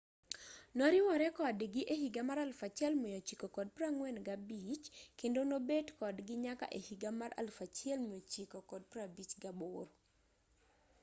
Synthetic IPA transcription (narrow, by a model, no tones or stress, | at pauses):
nɔɾɪwɔɾɛkɔdɡɪʔehiɡamaɾalfat͡ʃɛlmijot͡ʃikokɔd̚pɾaŋwɛnɡabit͡ʃkendonobetkɔdɡɪɲaka̰ʔehiɡamaɾʔa̰lfat͡ʃɪɛlmiot͡ʃikokɔd̚pɾabit͡ʃɡaboɾ